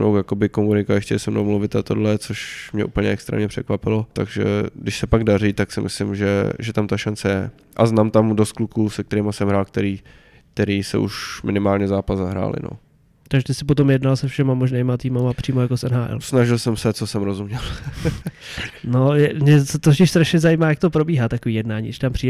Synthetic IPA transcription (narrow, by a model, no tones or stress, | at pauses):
nowjako̞bɪkomunɪkaɛxcɛɛsɛmnowmluvɪt̪at̪odlɛt͡soʃmɲɛʔupl̩ɲɛɛkst̪ɾɛ̰mɲɛpr̥ɛkvapɪlot̪aɡʒɛ̰dɪʃsɛpaɡdariːt̪aksɪmʔɪ̰slɪmʒɛ̰ʒɛt̪amt̪aʃant͡sɛjɛ | ʔaznaːmt̪amdost̪̚klukuːsɛk̚t̪ɛɾiːmasɛmɦɾaːlk̚t̪ɛɾiː | k̚t̪ɛɾiːsɛ̰ʔṵʃmɪnɪmaːlɲɛzaːpazzaɦɾa̰ːlɪ̰no̰ | t̪aɡʒɛt̪ɪsɪpot̪o̞mjɛdnalsɛfʃɛmamoʒneːmat̪iːmamapr̝̥iːmo̞jakosʔɛnɦaːʔɛ̰lsnaʒɪlsɛmsɛt͡sosɛmɾozumɲɛl | nojɛmɲɛst̪ocɪʃst̪ɾaʃɲɛzajiːmaːjak̚t̪opɾobiːɦat̪akoviːjɛdnaːɲiːɡdɪʃt̪ampr̥iːd